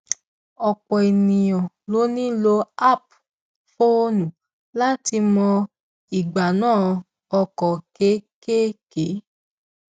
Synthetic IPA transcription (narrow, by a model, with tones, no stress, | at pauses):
ɔ˨k͡pɔ˨i˨nĩ˨jɔ̃˨ | lo˨˦nĩ˦lo˧a˦˨p | fo˦nũ˨ | la˦ti˧mɔ̃˧ | i˨ɡ͡ba˨nãː˦˨ | ɔ˧kɔ˨ke˦ke˦ke˨˦